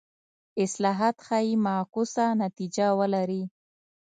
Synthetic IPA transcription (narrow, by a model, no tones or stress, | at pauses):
ɪslɑɦat̪xajimakusanat̪id͡ʒawəlaɾi